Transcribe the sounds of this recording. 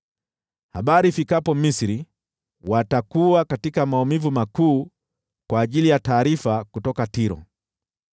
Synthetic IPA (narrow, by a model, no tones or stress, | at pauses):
haɓaɾifikapɔmisɾi | watakuakatikamaɔmivumakuː | kwaːʄilijataːɾifakutɔkatiɾɔ̰